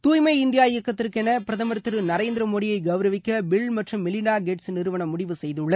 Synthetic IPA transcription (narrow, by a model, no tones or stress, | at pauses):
t̪uːjmɐɪɪnd̪ɪjaːjɪjɐkːɐt̪ːɪɾkɛnɐpɪɾɐðɐmɐɾɯt̪ːɯɾɯnɐɾeːnd̪ɪɾɐmoːɽɪjɐɪɡɐʋɾɐʋɪkːɐbɪɭmɐʈrɯmːɪlɪnaːɡeʈsnɪɾɯʋɐɳɐmʊɽɪʋɯsɛjðɯɭːɐ